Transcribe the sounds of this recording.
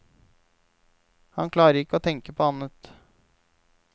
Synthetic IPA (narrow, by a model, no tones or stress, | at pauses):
hɑnkʰlɑːɾəɾɪkːəoːt̪ʰɛŋkəpʰoːɑnət̪